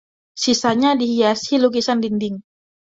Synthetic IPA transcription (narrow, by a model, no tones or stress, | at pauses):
sisaɲadihijasilukisandindɪŋ